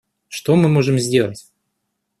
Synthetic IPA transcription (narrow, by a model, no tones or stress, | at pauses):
ʂt̪omɨmoʐɨmzʲdʲe̞lˠətʲ